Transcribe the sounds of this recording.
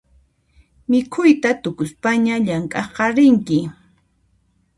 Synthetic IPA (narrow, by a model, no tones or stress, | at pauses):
mɪkʰʊjt̪at̪ʊkʊspaɲaʎaŋkʼɑχqɑɾɪŋkɪ